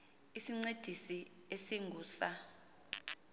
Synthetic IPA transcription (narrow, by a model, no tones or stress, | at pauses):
isiŋ͡ǀed̥ʱisi | esiŋɡʱuːsa